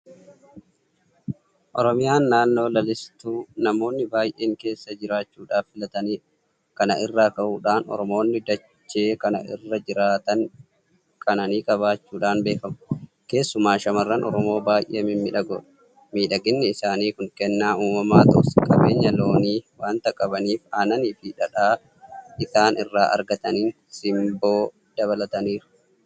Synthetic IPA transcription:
ʔɔɾɔmɪjaːnːaːnːo̞ːlɐlɪst̪uːnɐmo̞ːnːɪbaːjʔe̞ːŋke̞ːsːɐd͡ʒɪɾaːt͡ʃːuːᶑaːfːɪlɐt̪ɐniː | kɐnɐʔɪrːaːkɐʔuːᶑaːnɔ̰ɾɔmo̞ːnːɪd̪ɐ | t͡ʃːe̞ːkɐnɐ̰ʔɪ̰rːɐd͡ʒɪɾaːt̪ɐn | kʰɐnɐniːkʼɐβaːt͡ʃːuːᶑaːnbe̞ːfɐmʊ̥ | ke̞ːsːʊmaːʃɐmɐrːɐnʔɔ̰ɾɔmo̞ːbaːjʔemɪmːɪᶑɐɡɔ̰ᶑɐ̥ | miːᶑɐɡɪnːɛɪsaːniːkʊŋkɛnːaːuːmɐmaːt̪ɔ̰ʔskʼɐbe̞ːɲːɐlo̞ːniːwaːnt̪ɐkʼɐbɐniːfaːnɐniːfɪᶑɐᶑaː | ʔɪsaːnɪrːaːʔɐ̰ɾɡɐt̪ɐniːn | sɪmbo̞ː | d̪̥ɐβɐlɐt̪ɐniːɾʊ̥

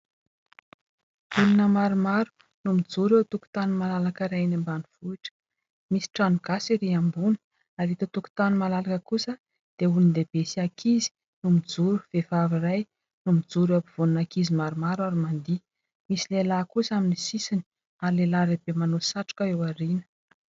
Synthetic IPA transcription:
vulunəmaɾumaɾu̥ | numid͡zuɾet̪uku̥t̪animalalakəɾajnambanuv̥uiʈ͡ʂə̥ | misi̥ʈ͡ʂanuɡ̥asiɾiambun̥ | aɾit̪at̪uku̥t̪animalalakəkusə | d̪̥eulind̪eb̥esiakʰizi̥ | numid͡zuɾu̥v̥evaviraj | numid͡zuɾapiv̥ununakizimaɾumaɾwaɾimand̪i | misilelakusaminisisini̥ | aɾilelaɾeb̥emanosaʈ͡ʂu̥kaewaɾinə̥

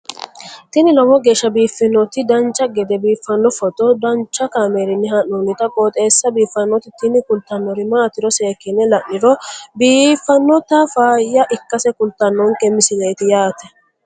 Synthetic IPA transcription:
t̪ɪnɪlɔwɔɡe̞ːʃːɐbiːfːɪnːɔt̪ɪd̪ɐnt͡ʃːɐɡɛd̪ɛbiːfːɐnːɔfɔt̪ʼɔd̪ɐnt͡ʃːɐkaːmeːɾɪnːɪhɐnunɪt̪ɐkʼoːt̪ʼe̞ːsːɐbiːfːɐnːɔt̪ɪt̪ɪnɪkʊlt̪ːɐnːɔɾɪmaːt̪ɪɾɔse̞ːkːɪnːɛlɐʔːɪɾɔbiːfːɐnːɔt̪ɐfaːjːɐʔɪkːɐsɛkʊlt̪ːɐnːɔŋkɛmɪsɪlejt̪ɪjaːt̪ɛ

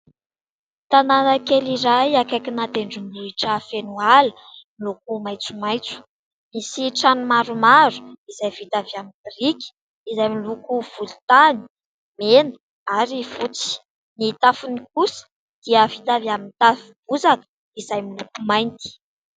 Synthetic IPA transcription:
t̪ananəkeliɾajakajkʲinat̪eɳɖ͡ʐumliʈ͡ʂəfenualəmiluk̚umajt͡sumajt͡su̥ | misiʈ͡ʂanumaɾumaɾu̥izajvit̪aviamind̪rikʲi̥ | izajmilukuv̥ult̪ani̥ | menə̥ | aɾifut͡si̥ | nit̪afunikusə̥ | d̪̥iəvit̪aviamint̪afib̥uzanə̥ | izajmilukumajnt̪i̥

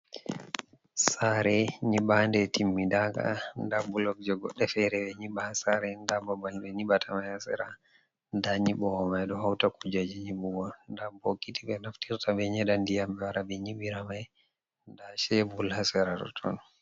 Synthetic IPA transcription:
saɾɛɲiɓandɛtimːidaka̰ndabulɔk̚d͡ʒɔɡɔ̰ɗːɛfɛɾɛbɛɲiɓaasaɾɛndabɔbaɲɓɛɲiɓatʰamajhasɛ̰ɾa | ndaɲiɓɔwɔmajɗɔhawtakud͡ʒad͡ʒiɲiɓuɡɔndabɔkitiɓɛnaftiɾtabɛɲɛɗandijambɛwaɾabɛɲiɓiɾamaj | ndaʃɛbulhasɛɾatɔ̰tʰɔ̰n

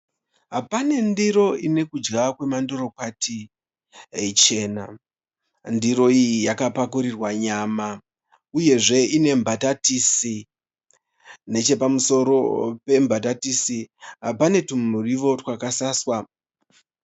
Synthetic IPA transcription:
ɦapane̞ndiɾo̞ine̞kud͡ʒɡakwe̞mandoro̞kwati | et͡ʃe̞ːna | ndiɾo̞ijijakapakuɾirwaɲaːma | uje̞ʐe̞ine̞mbʱatatisi | ne̞t͡ʃe̞pamuso̞ɾo̞pe̞mbʱatatisiɦapane̞tumuriʋo̞rwakasaswa

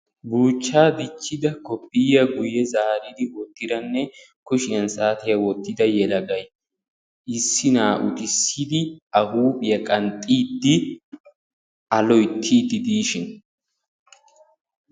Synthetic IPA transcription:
buːt͡ʃːaːd̪ɪt͡ʃːɪd̪ɐkɔpːɪjɐɡʊjɛzaːɾɪd̪ɪwɔt̪ːɪd̪ɐnːɛ | kʊʃɪɐnsaːt̪ɪjɐwɔt̪ːɪd̪ɐjɛlɐɡɐj | ʔɪsːɪnaːʔʊt̪ʼɪsːid̪ɪɐhuːpʼɪjɐkʼɐnt̪ʼːiːd̪ːɪ | ɐlɔjt̪ʰːiːd̪ɪd̪iːʃɪn

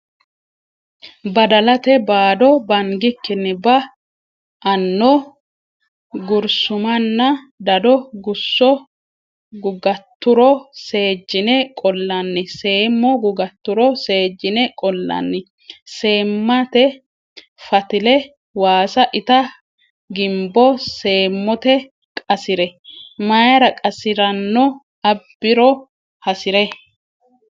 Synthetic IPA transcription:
bɐd̪ɐlɐt̪ɛbaːd̪ɔbɐŋɡɪkːɪnːɪbɐ | ʔɐnːɔ | ɡʊɾsʊmɐnːɐ | d̪ɐd̪ɔɡʊsːɔ | ɡʊɡɐt̪ːʊɾɔse̞ːd͡ʒːɪnɛkʼɔlːɐnːɪse̞ːmːɔɡʊɡɐt̪ːʊɾɔse̞ːd͡ʒːɪnɛkʼɔlːɐ̰nːɪ | se̞ːmːɐt̪ɛ | fɐt̪ɪlɛ | waːsɐʔɪt̪ɐ | ɡɪmbɔse̞ːmːɔt̪ɛ | kʼɐsɪɾɛmajɐɾɐkʼɐsɪɾɐnːɔ | ɐbːɪɾɔ | hɐsɪɾɛ

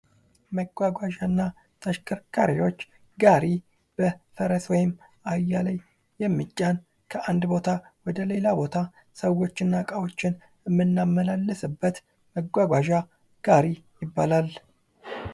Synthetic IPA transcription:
məɡʷaɡʷaʒanːa | t̪ʰəʃkʰʼɨɾkʰa̰ɾiwo̞t͡ʃː | ɡaɾi | b̥əfəɾəswɔjɪm | ajːalaj | jɛmːɨt͡ʃʼːan | kʰəʔand̪bo̞t̪ʰawɔd̪əle̞labo̞t̪ʰa | səwo̞t͡ʃːɪnːakʼawo̞t͡ʃːɪn | ɨmːɨnːamːəlalːəsɨbːət̪ | məɡʷaɡʷaʒa | ɡ̥aɾijɪbːalal

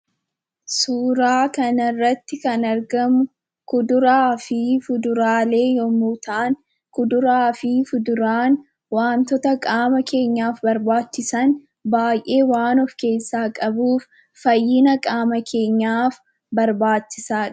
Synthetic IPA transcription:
suːɾaːkɐnɐrːɐt̪ːɪkɐnɐɾɡɐmʊ | kʊd̪ʊɾaːfifʊd̪ʊɾaːle̞ːjɔmuːt̪aːŋ | kʊd̪ʊɾaːfifʊd̪ʊɾaːn | waːnt̪ɔt̪ɐkʼaːmɐkʰe̞ːɲːaːfbɐɾbaːt͡ʃːɪsɐn | baːjʔe̞ːwaːnɔfke̞ːsːaːkʼɐbuːfː | ɐjːɪnɐkʼaːmɐkʰe̞ːɲːaːf | bɐɾbaːt͡ʃːɪsaːᶑɐ̥

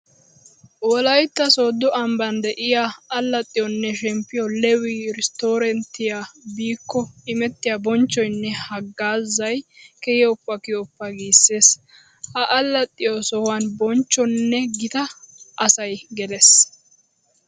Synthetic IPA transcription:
wɔlɐjt̪ːɐsoːd̪ːʊʔɐmbɐnd̪ɛʔɪjaːlːɐt̪ʼːɪjɔnːɛʃɛmpːɪjɔlɛwiːɾɪst̪oːɾɛnt̪ːɪjabiːkːɔɪmɛt̪ːɪjabɔnt͡ʃːɔjnːɛhɐɡːaːzɐjkɛhɪʊpːɐkɪjɔpːɐɡiːsːe̞ːs | hɐʔɐlːɐt̪ʼːɪjɔsɔwɐnbɔnt͡ʃːɔnːɛɡɪt̪ɐʔɐsɐjɡɛlɛs

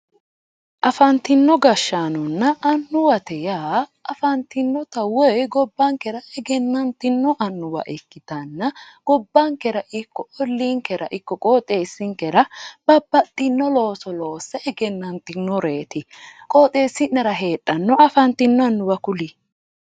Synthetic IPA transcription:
ʔɐfɐnt̪ːɪnːɔɡɐʃːaːnɔnːɐʔɐnːʊwɐt̪ɛjaːɐfɐnt̪ɪnːɔt̪ɐwɔjɡɔbːɐŋkɛɾɐɛɡɛnːɐnt̪ɪnːɔʔɐnːʊwɐ̰ʔɪkːɪt̪ɐnːɐɡ̥ɔbːɐŋkɛɾɐʔɪkːɔɔlːiŋkɛɾɐ̰ʔɪkːɔkʼoːt̪ʼeːsːɪŋkɛɾɐb̥ɐbːɐt̪ʼːɪnːɔlo̞ːsɔlo̞ːsːɛʔɛɡɛnːɐnt̪ɪnːɔɾe̞ːt̪ɪ | kʼoːt̪ʼeːsːɪnɛɾɐɦe̞ːᶑʼːɐnːɔɐfɐnt̪ɪnːɔɐnːʊwɐkʊli

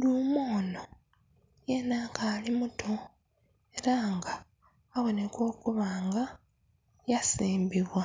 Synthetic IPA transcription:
luːmoːno̞ | jenaːkaːlimutʰo | e̞ɾaːŋɡaː | βo̞ne̞ko̞ːkuβaːŋɡa | jasiːmbiβwa

